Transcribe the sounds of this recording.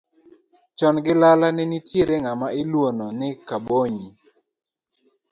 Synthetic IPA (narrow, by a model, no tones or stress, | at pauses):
t͡ʃɔnɡɪlalanɪnitjeɾeŋamaɪlwononɪkaboɲi